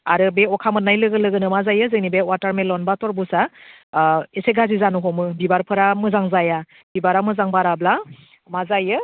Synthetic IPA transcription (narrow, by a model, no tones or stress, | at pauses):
aɾɯbeɔkʰamɯt̚najlɯɡɯlɯɡɯnɯmazajɯzɯŋnibewataɾmelɔnbatɔɾbusa | eseɡazizanuɦɔmɯbibaɾpʰɯɾamɯzaŋzaja | bibaɾamɯzaŋbaɾabla | mazajɯ